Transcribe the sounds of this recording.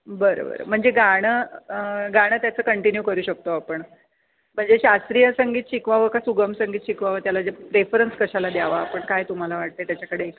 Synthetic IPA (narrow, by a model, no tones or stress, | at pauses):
bəɾo̰bə̰ɾə̰m̤əɳd͡zeɡaɽ̃ə | ɡaɽ̃ət̪jat͡səːkəɳʈinjukəɾuːɕək̚t̪oapəɳ | m̤əɳd͡zeɕast̪ɾijəsəŋɡiːt̪ɕikʋaʋəkasuɡəmsəŋɡiːt̪ɕikʋaʋət̪jalad͡zepɾefəɾənskəɕalad̪jaʋaːpəɳkajt̪um̤alaʋaɽ̚t̪et̪jat͡ɕakəɽeːk